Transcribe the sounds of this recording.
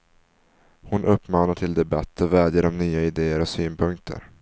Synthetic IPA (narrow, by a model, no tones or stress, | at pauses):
hʊnʔɵpːmɑːnaʈʰɪld̪ɛbat̪ːɔvɛːd̪jəɖɔmnyːaɪd̪eːəɾɔsyːnpʰɵŋk̚t̪ʰə̰ɾ